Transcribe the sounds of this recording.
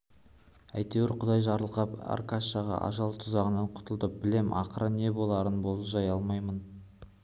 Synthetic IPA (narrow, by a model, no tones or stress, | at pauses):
æjt̪e̞wɪɾqʰʊd̪ɑjʒɑɾəlˠqɑpɑ̰rkaɑʁɑ̰ʔɑ̰ʒɑlˠt̪ʰʊzɑʁənɑɴqʰʊ̥t̪əlˠd̪əp̚bɪle̞mʔɑqəɾəne̞bo̞lˠɑɾənbo̞lˠəpʒɑjɑlˠmɑjmən